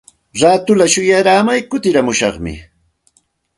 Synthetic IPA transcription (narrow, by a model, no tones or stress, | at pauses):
ɾaːt̪ʊlaʃʊjaɾaːmajkʊt̪ɪɾamʊʃɑχmɪ̰